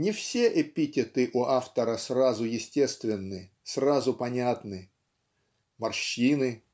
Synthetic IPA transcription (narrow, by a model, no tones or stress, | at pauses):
nʲɪfsʲeʔɪpʲitʲɪt̪ɨʔʊʔaft̪əɾəsrazʊjɪsʲtʲe̞st̪vʲɪnːɨ | srazʊpɐnʲat̪nɨ | mɐrɕinɨ